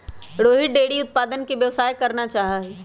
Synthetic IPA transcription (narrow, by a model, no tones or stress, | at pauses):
ɽoːɦɪʈ̚ɖeːɽiʊt̪̚paːd̪ənkeʋjɐʋsaːjkɐɾnat͡ʃaːɦaɦɛ